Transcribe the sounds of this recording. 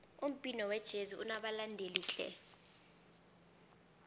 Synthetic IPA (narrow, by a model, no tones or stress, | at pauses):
um̩pʼinɔwɛd̥ʒ̥ʱeziunaɓalandʱeliːɬʼɛ̰